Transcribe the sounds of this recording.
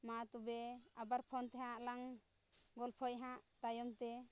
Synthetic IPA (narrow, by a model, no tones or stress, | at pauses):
mat̪ubɛabaɾpʰɔnt̪ɛɦãʔlaŋ | ɡɔlpʰɔjɦãʔt̪ajɔmt̪ɛ